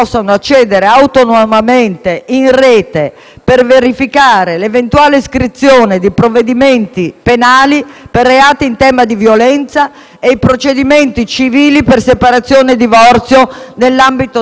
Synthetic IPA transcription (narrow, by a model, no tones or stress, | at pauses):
ɔsːanoat͡ʃːɛːd̪eɾeawt̪onomament̪eʔinrɛːt̪e | perveɾifikaːɾelevent̪uaːleiskɾit̪sːjoːned̪ipɾovːed̪iment̪ipenaːliperːeaːt̪iint̪ɛːmad̪ivjolɛnt̪sa | ejpɾot͡ʃed̪iment̪it͡ʃiviːlipersepaɾat̪sːjoːned̪ivɔrt̪sjonelːambit̪o